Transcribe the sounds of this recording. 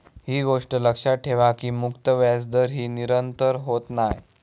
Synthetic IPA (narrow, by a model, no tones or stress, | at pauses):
ɦiːɡoʂʈələkʂaʈʰeʋakiːmukt̪əʋjasd̪əɾɦiːniɾənt̪əɾɦot̪naj